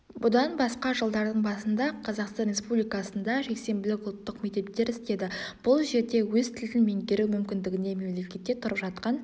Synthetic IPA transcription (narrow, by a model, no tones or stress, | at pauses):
bʊd̪ɑnbɑsqɑʒəlˠd̪ɑɾd̪əɴbɑsənd̪ɑqʰɑzɑqst̪ɑnɾʲe̞spublijkɑsənd̪ɑʒe̞kse̞mbɪlɪkʊlˠt̪ːəqme̞k̚t̪ep̚t̪e̞ɾɪst̪e̞d̪ɪb̥ʊlˠʒe̞ɾd̪e̞wɵzt̪ʰɪld̪ɪnme̞ŋkʲeɾɪwmʏmkʲɪnd̪ɪɡʲɪne̞me̞mle̞kʲe̞t̪ːe̞t̪ʰʊɾəpʒɑt̪̚qɑn